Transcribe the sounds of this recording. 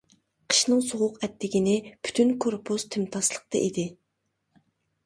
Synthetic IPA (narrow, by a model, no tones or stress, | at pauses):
qʰə̥ʃnɨŋsoʁʊqɛt̪ʰːɪɡʲinɪpʰy̥t̪ʰynkʰoɾpʰuz̥t̪ʰɪmt̪ʰɑslˠəq̚t̪ɑ̰ʔid̪ɪ